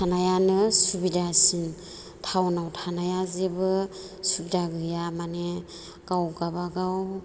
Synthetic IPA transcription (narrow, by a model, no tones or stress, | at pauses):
tʰanajanɯsubidasin | tʰawnawtʰanajazebɯ | subidaɡɯjamane | ɡ̥awɡabaɡaw